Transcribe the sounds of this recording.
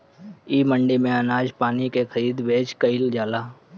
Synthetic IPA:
iːməɳɖimẽənaːd͡ʒpaːnikexʰəɾiːd̪beːt͡ʃkəɪld͡ʒaːlaː

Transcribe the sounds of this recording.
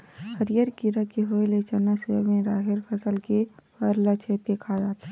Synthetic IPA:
həɾijəɾkiɾakeɦoːelet͡ʃənːasumẽɾaːɦɪɾpʰəsəlke | əɾlət͡ʃʰed̪eːkʰad͡ʒaːt̪a

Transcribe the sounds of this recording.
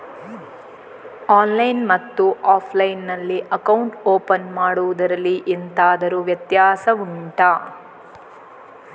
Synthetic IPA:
aːnlɐjnmɐt̪ːuʔaːpʰlɐjnːɐlːiʔɐkɐwɳʈoːpɐnmaːɽuʋud̪ɐɾɐlːiʔent̪aːd̪ɐɾuʋjɐt̪jaːsɐuɳʈa

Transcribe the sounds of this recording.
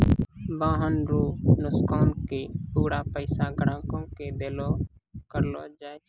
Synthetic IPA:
bãːɦənɾoːnʊskɔːnkeːpuːɽaːpəɪsaːɡəɽãːkõːked̪eːloːkəɾloːd͡ʒaːe

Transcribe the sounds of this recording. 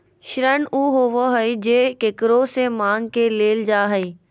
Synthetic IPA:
ʃɪɾənuːɦoːʋoɦəid͡ʑeːkekɪɾosemaːŋɡkeːleːld͡ʒaːɦəi

